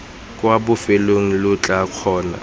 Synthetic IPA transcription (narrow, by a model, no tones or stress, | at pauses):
kʼwabʊfeloŋ̩lʊt͡ɬʼakʰɔːna̰